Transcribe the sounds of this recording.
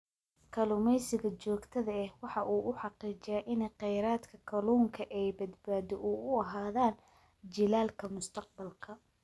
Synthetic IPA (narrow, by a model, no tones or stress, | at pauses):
kʰɐlʊmɛjsɪɣɐt͡ʃɔːɡt̪ʰɐðɐɛhwɑħɑʔuːʔʊħɑqiːt͡ʃɪjaʔɪnɛjqɛjɾaːd̪kʰɐkʰɐluːŋkʰɐʔɛjbɐd̪baːðɔʔuːʊɐɦaːðaːn | d͡ʒɪlaːlkʰɐmʊst̪ʰɐq̚bɐlkʰɐ